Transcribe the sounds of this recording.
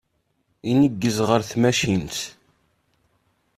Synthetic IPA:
inəɡːəzʁəɾθmæʃint̪

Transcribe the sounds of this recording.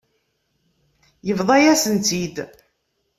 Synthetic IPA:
jəvðˤɑjæsənt̪id̪

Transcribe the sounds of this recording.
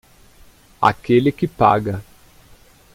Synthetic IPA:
a̰kelɪkɪpa̰ɡɐ

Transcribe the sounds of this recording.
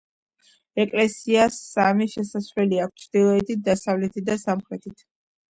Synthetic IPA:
ɛkʼlɛsiasːamiʃɛsasvlɛliak̚ʰʷtt͡ʃʰɾd̪ilˠɔɛt̪ʰit̪̚d̪asavlɛt̪ʰid̪asamχɾɛt̪ʰit̪ʰ

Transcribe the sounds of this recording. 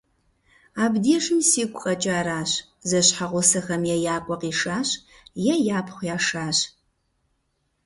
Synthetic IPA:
aːbdiːʂɨmsiːkʷʼχʼɐt͡ʃʼaːɾaːɕ | zɐɕħaʁʷʊsɨχɐmjɛjaːkʷʼɐqiːʂaːɕ | jɛjaːpʰχʷjaːʂaːɕ

